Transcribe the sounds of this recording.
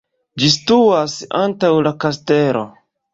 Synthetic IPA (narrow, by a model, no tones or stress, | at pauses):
d͡ʒistuasantawlakaste̞ɾo̞̰